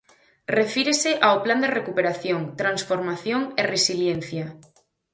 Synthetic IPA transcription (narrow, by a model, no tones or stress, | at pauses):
refiɾeseʔaopland̪erekupeɾaθjõŋt̪ɾansfoɾmaθjoŋeresiljenθja